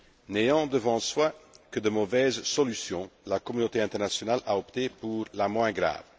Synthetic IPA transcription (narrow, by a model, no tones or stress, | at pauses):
nejɑ̃d̪əvɑ̃swakəd̪əmɔvɛzsɔlysjɔ̃lakɔmynot̪eɛ̃t̪ɛʁnasjɔnalʔaɔpt̪epuʁlamwɛ̃ɡʁa̰ːv